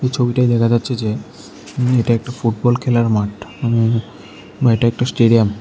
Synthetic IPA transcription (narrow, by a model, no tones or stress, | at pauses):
ejt͡ɕʰobiʈajd̪ɛkʰad͡ʑatːʰed͡ʑe | eʈaɛk̚ʈafuʈ̚bɔlkʰelaɾmaʈami | eʈaɛk̚ʈasʈeɖijam